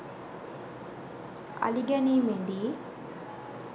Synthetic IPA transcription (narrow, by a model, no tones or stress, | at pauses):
ɐ̰liɡɐnimeɳɖi